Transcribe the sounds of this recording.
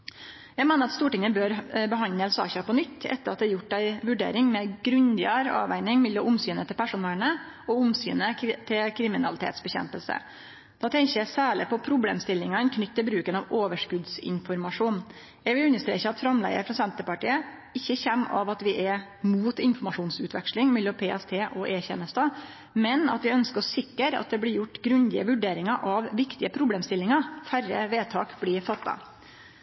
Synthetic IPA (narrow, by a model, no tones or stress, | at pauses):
jæɡmeːnəɾɑt̪st̪uːʈɪŋəbøːɾbəɦɑnəlsɑ̰ːçɑpʰɔnʏt̪ʰːɛ̰t̪ːəɾɑt̪̚d̪ɛːɾjʊʈ̚ːd̪æɪʋʉɖḛːɾɪŋmɛɡɾʉnd̪ɪəɾɑ̰ːʋæ̰ɪnɪŋmɪlːəʔʊmsyːnət̪ʰɪlpʰæʂʊnɛlnə | ɔʊmsy̰ːnət̪ʰɪlkʰɾɪmɪnɑlɪt̪ʰḛːt̪sbɛçɛ̰mpəlsə̰ | d̪̥ɑːt̪ʰɛŋçəæsæːɭɪpɔpʰɾʊblḛːmst̪ɪlːɪŋɑnkʰnʏt̪ːɪlbɾʉːkənɑʋoːʋəʂkʉd̪sɪ̰nfɔɾmɑʂuːn | ɛʋɪʉnːəʂt̪ɾḛːçəɑt̪fɾɑmlæ̰ɪə̰ɾfɾɑsɛnt̪əpɑʈḭːə | ɪçːəçɛmːɑ̰ʋɑt̪ʋɪʔɛ | muːt̪ɪnfɔmɑʂuːnsʉːt̪ʋɛ̰kʂlɪŋmɛɪlːɔpʰeːɛst̪ʰeːʔɔʔeːçɛ̰ːnəst̪ɑ | mɛnɑ̰t̪ʋɪœnskəɾɔsɪkːəɾɑ̰t̪̚d̪ɛblɪɾjʊʈːɡɾʉnd̪ɪəʋʉɖeːɾɪŋɑʔɑʋʋɪkt̪ɪəpʰɾʊbleːmst̪ɪlːɪŋɑfærə̰ʋeːt̪ʰɑːkblɪɾfɑt̪ːɑ̰